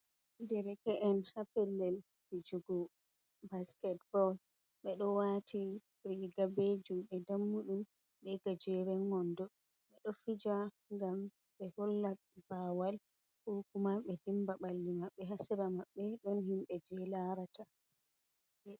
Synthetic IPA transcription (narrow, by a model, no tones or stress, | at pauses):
dɛɾɛkɛʔɛnhapɛlːɛl | fid͡ʒuɡɔ | baskɛtbɔl | ɓɛɗɔwatʰi | ɾiɡabed͡ʒuɓɛdamːuɗum | ɓɛɡad͡ʒɛɾɛŋːɔndɔ | ɓɛɗɔfid͡ʒa | ŋɡam | ɓɛhɔlːa | bawal | hokumaɓɛdimbaɓalːimaɓːɛɦasɛɾamaɓːɛɗɔnhimɓɛd͡ʒɛlaɾata | ɛ